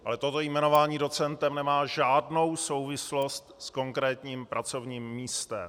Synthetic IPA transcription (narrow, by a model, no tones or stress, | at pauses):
ʔa̰lɛt̪ot̪o̞jmɛno̞vaːɲiːdo̞t͡sɛnt̪ɛmnɛmaːʒaːdno̞wso̞wvɪslo̞st̪sko̞ŋkɾɛːt̪ɲiːmpɾʔat͡so̞vɲiːmːiːst̪ɛm